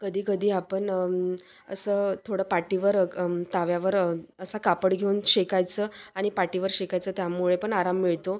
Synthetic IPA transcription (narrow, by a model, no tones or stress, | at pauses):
kəd̪ʱiːkəd̪ʱiːapəɳ | ə̰səːt̪ʰoɽəpaʈiʋəɾt̪aʋjaʋəɾəsakapəɽɡʱeunɕekajt͡səaɽ̃ipaʈiʋəɾɕekajt͡səːt̪jamuɭepəɳaɾamːiɭt̪o